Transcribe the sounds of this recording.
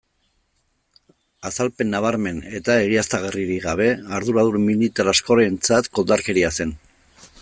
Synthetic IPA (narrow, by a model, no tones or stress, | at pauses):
asalpe̞nːaβaɾme̞ne̞t̪ae̞ɣ̞iast̪aɣ̞eriɾiɣaβ̞e̞aɾðuɾaðuɾmilit̪aɾasko̞ɾent͡sat̪ko̞ld̪aɾke̞ɾiase̞n